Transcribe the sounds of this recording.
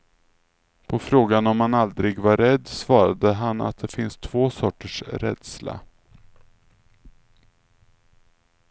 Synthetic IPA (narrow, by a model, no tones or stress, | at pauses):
pʰɔfɾoːɡanɔmhanald̪ɾɪɡvaɾɛd̪ːsvɑːɾad̪əɦana̰t̪̚d̪ɛfɪnst̪ʰvoːsɔʈːəʂɾɛ̰d̪sla̰